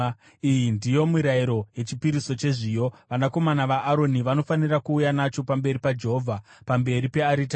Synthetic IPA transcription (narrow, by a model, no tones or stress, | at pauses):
ijindijo̞muɾaiɾo̞ɦe̞t͡ʃipiɾiso̞t͡ʃe̞ʐijo̞ʋanako̞manaʋaʔːɾo̞niʋano̞fanirakuːjanat͡ʃo̞pambe̞ɾipad͡ʒe̞ɦo̞vʱapambe̞ɾipe̞aɾita